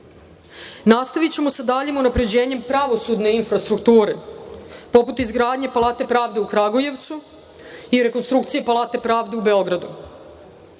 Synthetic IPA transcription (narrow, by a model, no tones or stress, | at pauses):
nast̪aʋit͡ɕe̞mosad̪aːʎemunapɾe̞d͡ʑe̞ːɲe̞mpɾaʋo̞sud̪ne̞infɾast̪ɾukt̪uːɾe | po̞put̪izɡɾaːd̪ɲe̞palˠaːt̪e̞pɾaːʋd̪e̞ukɾaɡoje̞ʋt̪su | iɾe̞konst̪ɾukt̪sije̞palˠaːt̪e̞pɾaːʋd̪e̞ube̞o̞ɡɾad̪ṵ